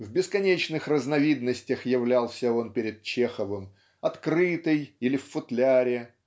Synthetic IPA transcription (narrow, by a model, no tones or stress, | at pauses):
vbʲɪskɐnʲet͡ɕnɨxrəznɐvʲid̪nəsʲtʲəxjɪvlʲalˠsʲəo̞npʲɪɾʲɪd̪̚t͡ɕexəvɨm | ɐt̪kɾɨt̪ɨjilʲɪffʊt̪lʲaɾʲɪ